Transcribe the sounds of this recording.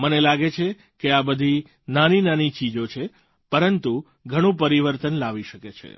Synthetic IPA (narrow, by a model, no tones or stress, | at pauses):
mənelaɡet͡ʃʰe | keabəd̪ʱi | naninanit͡ʃid͡ʒot͡ʃʰe | pəɾənt̪u | ɡʱəɽ̃ũp̬əɾiʋəɾt̪ənlaʋiʃəket͡ʃʰḛ